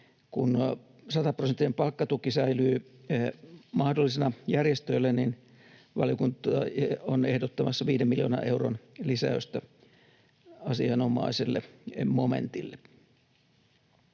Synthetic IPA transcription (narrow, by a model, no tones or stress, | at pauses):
kun | sɑt̪ɑprosent̪ːinempɑlkːɑt̪ukisæilyː | mɑhdolːisenɑjærjest̪øilːænin | ʋɑ̰ljokunt̪ˑɑonehdot̪ːɑmɑsːɑʋiːdemilio̰ːnɑ̰ʔeuro̰nlisæ̰øyst̪æ | ɑsiɑnomɑ̰iselːḛmomḛnt̪ilːe